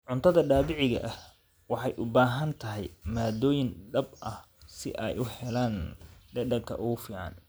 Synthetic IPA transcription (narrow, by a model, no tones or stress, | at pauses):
ʕʊnt̪ʰɐðɐɖaːβɪʕɪɣɐ̰ʔɐh | wɑħɑjʔʊbaːɦɐnt̪ʰɐɦɛ̰jmaːd̪ɔːjɪnɖɐbʔɐh | sɪ̰ʔɛjʔʊhɛlaːnɖɛɖɐkʰɐ̰ʔʊɣʊfiːʕɑ̰n